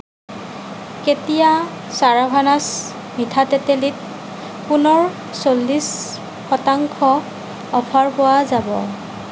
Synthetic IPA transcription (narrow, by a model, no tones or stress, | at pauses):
ketija | saɹabʱanas | mitʰatɛtelit̚ | punɔɹ | solːis | xɔtaŋkʰɔ | ɔpʰaɹpowazabɔ̰